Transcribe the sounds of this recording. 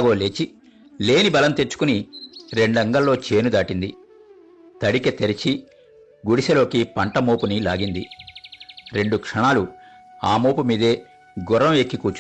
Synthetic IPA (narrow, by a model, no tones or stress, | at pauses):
ɡo̞ːle̞ːt͡ʃi | le̞ːnibɐlɐmt̪et͡ʃːu̥kuniɾe̞ɳɖɐŋɡɐlːo̞ːt͡ʃeːnud̪aːʈind̪i | t̪ɐɽiket̪eɾit͡ʃi | ɡuɽisɐlo̞ːkipɐɳʈɐmoːpunilaːɡind̪i | ɾe̞ɳɖukʂɐɳaːlu | aːmoːpumiːd̪e̞ː | ɡɔɾɐmeːkːikuːt͡ʃ